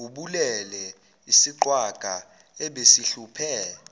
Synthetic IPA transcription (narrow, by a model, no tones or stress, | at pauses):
uɓulɛlɛ | isiǃwaɡ̥ʱa | ɛɓesiɬupʰɛ